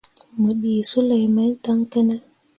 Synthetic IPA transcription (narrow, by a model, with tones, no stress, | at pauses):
mə˨ɗi˨su˦la˨jma˦ɲta˦ŋke˦na˦